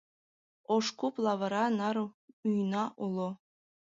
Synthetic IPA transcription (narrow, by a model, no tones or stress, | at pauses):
oʂkuplˠɑʋɤ̆ɾɑnɑɾujnɑʔulˠo